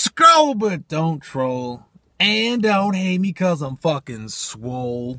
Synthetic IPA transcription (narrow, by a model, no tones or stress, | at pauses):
skoʊbʌt̚d̥õʊ̃ntʰɹ̥oʊ | ɨ̃ndõʊ̃nt̚heɪt̚mikʰʌzãɪ̃ɱfʌkɪ̃nswoʊlˠ